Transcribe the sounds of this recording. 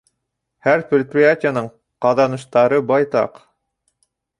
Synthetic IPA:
hæɾprʲɪt̪̚prʲiatʲɪjanɤɴ | qɑðɑnɤ̆ʃt̪ɑɾɤbɑjt̪ɑ̰q

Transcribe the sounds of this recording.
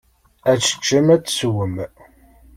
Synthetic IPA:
æt͡ʃːə̥t͡ʃːəmæt͡sːswəm

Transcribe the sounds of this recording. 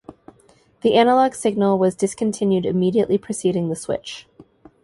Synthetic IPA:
ðiʔænəlɑɡ̥sɪɡ̚nl̩ˠwʌzdɨskʰn̩tʰɪ̃njʉɾɨ̰miɾiɨʔlipʰɹ̥ɨsiɾɪ̃ŋðɨswɪ̰t͡ʃ

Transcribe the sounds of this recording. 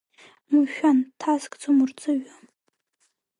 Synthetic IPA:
muʃᶣantʰazkʼt͡sʰʼomurt͡sʼɨɥa

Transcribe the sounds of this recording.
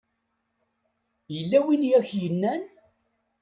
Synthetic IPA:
jəlːæwinjæçjənːæn

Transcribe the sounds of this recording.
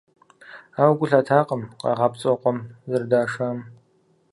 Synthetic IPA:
aːwɡʷʊɬaːtʰaːqʼəmqɑ̰ʁɑpt͡sʼɔqʷʼɔmzɨrdaːʂaːm

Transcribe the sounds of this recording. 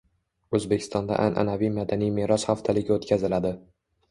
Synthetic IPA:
ɵzbekʲʰɪ̥st̪ɒnd̪a̰ʔa̰nʔa̰navijmad̪anijmeɾɒsχaft̪ʰalɪɡʲaot̪kʲʰazɪlad̪ɪ

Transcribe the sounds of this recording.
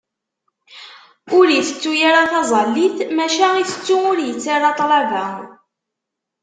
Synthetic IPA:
ʊɾjəθə̥t͡sːujaɾaθɑzˤɑlːiθmæʃæiθə̥t͡sːuʊɾjət͡sːaɾɑt̪ˤlɑvæ

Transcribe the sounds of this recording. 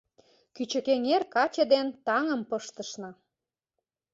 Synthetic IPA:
kyt͡ɕə̆keŋerkɑt͡ɕĕd̪ent̪ɑŋə̆mpɤʃt̪ə̆ʃnɤ̆

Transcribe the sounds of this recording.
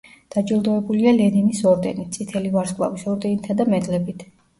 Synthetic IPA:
d̪̥ad͡ʒilˠd̪ɔɛbulialɛninisɔɾd̪ɛ̰nit̪̚sʼit̪ʰɛlivaɾskʼla̰visɔɾd̪ɛnit̪ʰad̪amɛd̪ʼlɛbit̪ʰ

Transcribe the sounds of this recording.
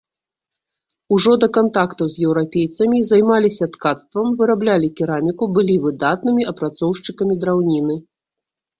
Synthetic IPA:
uʐɔd̪ɐkant̪akt̪uzʲjɛwɾapʲejt̪sɐmʲizajmalʲisʲɐt̪kat̪st̪vɐmvɨɾablʲalʲikʲiɾamʲikubɨlʲivɨd̪at̪̚nɨmʲiɐpɾat̪sɔwʂt͡ʂɨkɐmʲid̪ɾawnʲinɨ

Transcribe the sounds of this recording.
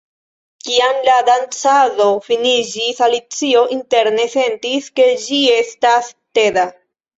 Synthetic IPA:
kiamladant͡saðofinid͡ʒisalit͡sio̞ʔinte̞ɾne̞se̞ntiske̞d͡ʒie̞staste̞da

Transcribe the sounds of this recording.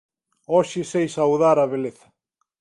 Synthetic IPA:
ɔʃɪsejsawðaɾaβeleθḁ

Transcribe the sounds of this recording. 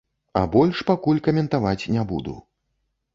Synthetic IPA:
ɐ̰bɔlʲʂpakulʲkɐmʲɛnt̪avat͡sʲnʲɛbṵd̪ṵ

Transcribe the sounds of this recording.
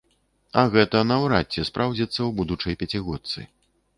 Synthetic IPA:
ɐɣɛt̪ɐnɐwɾat͡sʲːɛspɾawd͡zʲit̪sːɐwbud̪ut͡ʂɐjpʲɐt͡sʲiɣɔt̪sɨ̰

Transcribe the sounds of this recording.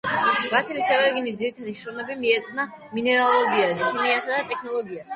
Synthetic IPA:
ɡ̥atsʰilisɛvɛɾɡinisd̪ziɾit̪ʰad̪iʃɾɔmɛbimiɛt̪sʼna | minɛɾalˠɔbiazɛpʰiniasad̪at̪ʼɛkʰnɔlˠɔɡiasɛ

